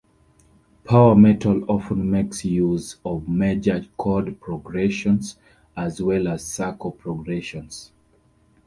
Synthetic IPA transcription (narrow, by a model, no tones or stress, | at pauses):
pʰawəmɛtʰəlɔfə̃nmeksjuzɔvmed͡ʒəkʰɔdpʰɹɔɡɹɛʃɔ̃ns | azwɛlaz̥sakʰopʰɹɔɡɹɛʃɔ̃ns